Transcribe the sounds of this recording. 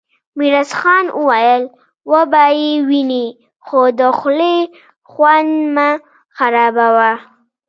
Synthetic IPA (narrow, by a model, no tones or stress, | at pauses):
miɾasxɑnʔəwajəl | wəbɑjewini | xod̪əxle | xwand̪ma | xaɾɑbawa